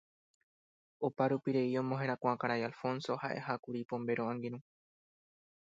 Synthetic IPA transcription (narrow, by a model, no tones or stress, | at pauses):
opaɾupiɾe̞iõ̞mõɦe̞ɾ̃akʷãkaɾajalfõ̞nso̞haʔe̞̰hakuɾipõ̞mbe̞ɾõʔãŋɡiɾũ